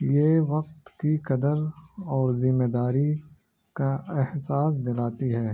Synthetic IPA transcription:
jeʋɐq̚t̪kikɐd̪əɾɔːɾzɪmːeːd̪aːɾi | kaɛhsaːsd̪ɪlaːt̪iɦɛː

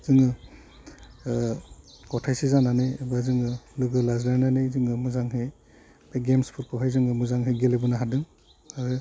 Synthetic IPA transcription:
z̥ɯŋɯ | kɔtʰajsizananɯːbazɯŋɯlɯɡɯlazlananejzɯŋɯmuzaŋɦej | beɡemspʰuɾkʰɔɦajzɯŋɯmuzaŋɦejɡelebɯnaɦadɯŋ | aɾɯ

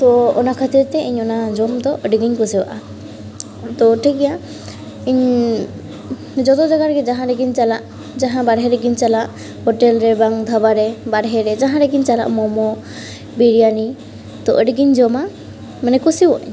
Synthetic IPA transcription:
t̪ɔɔnakʰat̪iɾt̪ɛʔiɲɔnad͡ʒɔmd̪ɔʔəɖɡiɲkɔsiwa̰ʔa | t̪ɔʈʰiɡɛja | iɲ | d͡ʒɔt̪ɔd͡ʒaɡaɾɡɛd͡ʒaɦãɾɛɡiɲt͡ʃalaʔ | d͡ʒaɦãbaɽɦɛɾɛɡiɲt͡ʃalaʔ | hɔʈɛlɾɛbaŋd̪ʱabaɾɛbaɽɦɛɾɛd͡ʒaɦãɾɛɡiɲt͡ʃala̰ʔmɔmɔ | biɾijani | t̪ɔʔəɖɡiɲd͡ʒɔma | manɛkusibɔʔɲ

